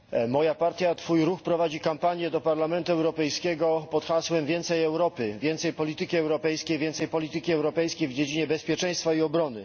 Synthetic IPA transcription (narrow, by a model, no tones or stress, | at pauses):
mɔjapaɾt̪ʲjat̪fujɾuxpɾɔvad͡ʑikampaɲjɛd̪ɔpaɾlamɛnt̪uɛwɾɔpɛjskʲɛɡɔpɔt̪xaswɛmvʲjɛnt̪sɛjɛwɾɔpɘvʲjɛnt̪sɛjpɔlʲit̪ɘkʲiɛwɾɔpɛjskʲejvʲjɛnt̪sɛjpɔlʲit̪ɘkʲiɛwɾɔpɛjskʲejvd͡ʑed͡ʑiɲɛbɛspʲjɛt͡ʂɛj̃st̪faiɔbɾɔnɘ